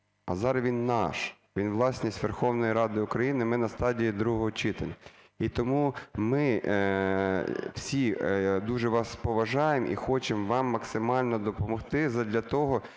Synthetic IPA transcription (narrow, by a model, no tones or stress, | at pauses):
ɐ̰zɑɾʋʲinːɑʃ | ʋʲinʋlˠɑsʲnʲisʲtʲʋerxɔwnɔjiɾɑd̪ɪʊkɾɐjinɪmɪnɐst̪ɑdʲijid̪ɾuɦɔɦɔt͡ʃɪt̪ɐlʲɐ | it̪ɔmumɪ | w̥sʲid̪uʒɛʋɑspɔʋɐʒɑjemʔḭxɔt͡ʃemʋɑmːɐksɪmɑlʲnɔd̪ɔpɔmɔxt̪ɪzɐd̪lʲɐt̪ɔɦɔ